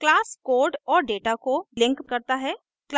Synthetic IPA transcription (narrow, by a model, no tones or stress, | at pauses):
klaːskoːɾɖɔːɾɖeːʈakolɪ̃ŋkːɐɾt̪aɦɛː | kl